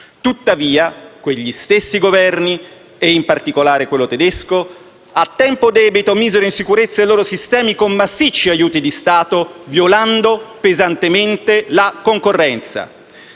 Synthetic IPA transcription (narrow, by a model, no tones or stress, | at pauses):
t̪ut̪ːaviːakweʎːist̪esːiɡovɛrni | eimpart̪ikolaːɾekwelːot̪ed̪esko | at̪ːɛmpod̪ɛːbit̪omiːzeɾoinsikuɾet̪sːaeloːɾosist̪ɛːmikomːasːit͡ʃːiajuːt̪id̪ist̪aːt̪ovjoland̪opezant̪ement̪elakoŋkorːɛnt̪sa̰